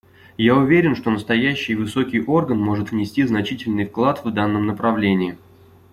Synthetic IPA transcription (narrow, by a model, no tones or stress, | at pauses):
jaʊvʲeɾʲɪnʂt̪o̞nəst̪ɐjæɕːɪjvɨso̞kʲɪjʔo̞rɡənmo̞ʐɨt̪vnʲɪsʲtʲiznɐt͡ɕitʲɪlʲnɨjfklˠat̪vd̪anːəmnəpɾɐvlʲenʲɪɪ